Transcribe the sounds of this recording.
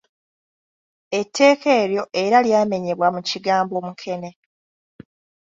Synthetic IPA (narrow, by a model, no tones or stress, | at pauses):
e̞tʰːe̞ːke̞ːɾjo̞ʔe̞ɾaljaːme̞ɲe̞βwamuciɡaːmbo̞ːmukʰe̞ne̞